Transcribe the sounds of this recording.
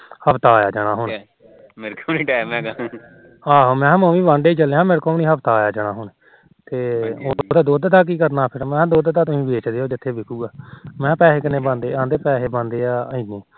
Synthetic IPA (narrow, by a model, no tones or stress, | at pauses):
həbt̪aːjaːd͡ʒaːɽ̃aːɦʊn | mɪɾkoniːʈɛːmɛ̃ːɡa | aːɦoːmɛ̃ːməːmĩːʋãːɳɖeiːt͡ʃəleãːmɪɾkoːniːɦəbt̪aːjaːd͡ʒaːɽ̃aːɦʊɳ | t̪eːod̪aːd̪oːd̪t̪aːk̬iːkəɾnaːpʰɪɾmɛ̃ːd̪oːd̪t̪aːt̪ʊsĩːbeːt͡ʃd̪eːɦoːd͡ʒɪt̪ʰːeːbeːkʰuːɡaːmɛ̃ːpɛːseːkɪnẽːbãːnd̪eːãːnd̪eːpɛːɦeːbãːnd̪eːaːəĩːneː